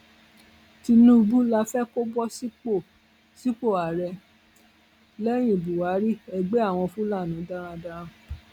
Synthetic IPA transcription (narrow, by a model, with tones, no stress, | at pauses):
ti˧nũ˦˧bu˦la˧fɛ˦ko˦bɔ˦si˦o˨ | si˦k͡po˦˨a˨ɾɛ˧ | lɛ˦j̃ĩ˦˨bu˨wa˨˦ɾi˦ɛ˨ɡ͡be˨˦a˦˨w̃ɔ̃˧fũ˦la˦˨nũ˨˦da˦ɾ̃ã˧da˦˧ɾã˧